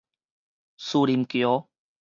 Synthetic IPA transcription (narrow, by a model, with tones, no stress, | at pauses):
su˧li˨mkjo˨˦